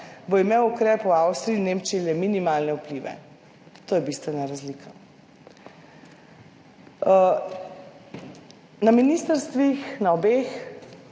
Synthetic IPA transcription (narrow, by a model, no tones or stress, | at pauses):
boimewukɾɛːpuawst̪ɾiinemt͡ʃilɛminimaːlnɛupliʋɛ̰ | t̪oːjɛbist̪ʋɛnaɾazliːkʰa | naminist̪əɾst̪ʋixnaɔbeːx